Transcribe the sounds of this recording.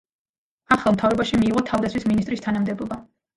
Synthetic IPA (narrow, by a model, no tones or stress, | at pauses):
aχɛlˠmt̪ʰavɾɔbaʃimiːʁɔt̪ʰavd̪at̪sʰwisminist̪ʼɾist̪ʰanamd̪ɛbɔba